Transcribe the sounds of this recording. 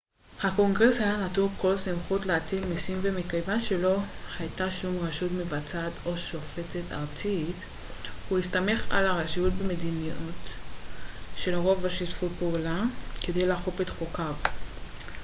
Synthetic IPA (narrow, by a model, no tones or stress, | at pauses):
hako̞ŋɡʁe̞shajanatuko̞lsimχutleatʰilmisimvemikajvanʃe̞lo̞hajtaʃumʁaʃutmevat͡sato̞ʃo̞fe̞t͡seta̰ʁt͡sit | huhist̪ame̞χa̰laʁaʃijut̚beme̞diniut | ʃe̞lʁo̞vaʃitfutpeulake̞de̞jlaχofetχokav